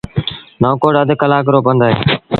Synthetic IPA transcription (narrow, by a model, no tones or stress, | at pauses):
noːkoːɽəd̪kəlaːkəɾoːpənd̪aːḛː